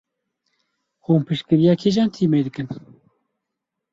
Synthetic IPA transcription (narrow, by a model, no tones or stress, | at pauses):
huːnpʰɨʃkɨɾijɑːkʰeʒɑːnt̪ʰiːmeːd̪ɨkɨn